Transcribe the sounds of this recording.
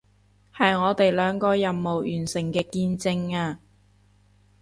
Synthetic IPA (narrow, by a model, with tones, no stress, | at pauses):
hɐ˨jŋɔː˨˧t̪e˨jlœː˨˧ŋkɔː˧jɐ˨˩mːo˨˩wjyː˨˩nsɪ˨˩ŋkɛː˧kiː˧nt͡sɪ˧ŋaː˧